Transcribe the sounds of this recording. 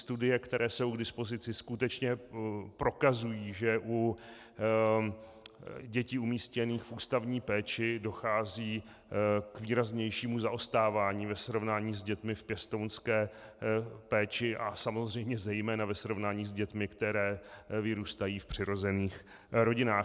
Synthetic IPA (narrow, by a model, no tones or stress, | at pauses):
st̪udɪjɛkt̪ɛɾʔɛːso̞wɡdɪspo̞zɪt͡sɪskut̪ɛt͡ʃɲɛpɾo̞kazujiːʒɛʔu | ɟɛciumiːscɛniːxfuːst̪avɲiːpɛːt͡ʃɪdo̞xaːziː | kviːɾazɲɛjʃiːmuzaʔost̪aːvaːɲiːvɛsɾo̞vnaːɲiːzɟɛt̪mɪfpjɛst̪ownskɛː | pɛːt͡ʃɪʔasamo̞zr̝ɛjmɲɛzɛjmɛːnavɛsɾo̞vnaːɲiːzɟɛt̪mɪkt̪ɛɾɛːvɪɾuːst̪ajiːfpr̥ɪɾo̞zɛniːx | ɾo̞ɟɪnaːx